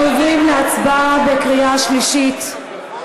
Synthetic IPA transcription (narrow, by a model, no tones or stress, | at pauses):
ʊɡlimlɛat͡sbavɛkʁiaʃliʃit